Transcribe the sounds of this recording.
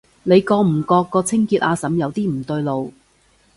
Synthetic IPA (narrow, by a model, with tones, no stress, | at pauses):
ne˨˧jkɔː˧m̩˨˩kɔː˧kːɔː˧t͡sʰɪ˥ŋkiː˧t̚ʔaː˨˧sɐ˨˥mjɐ˨˧wt̪iː˥m̩˨˩t̪ɵ˧ɥlo˨w